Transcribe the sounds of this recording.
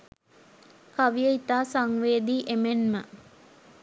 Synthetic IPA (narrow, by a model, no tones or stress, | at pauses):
kaʋijəit̪aːsaŋʋeːd̪iːʔemenmə